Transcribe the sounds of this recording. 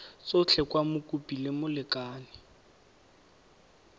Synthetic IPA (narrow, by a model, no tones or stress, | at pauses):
t͡sʊt͡ɬʰɛkwamʊkʼupʼilɪmʊlɪkʼaːnɪ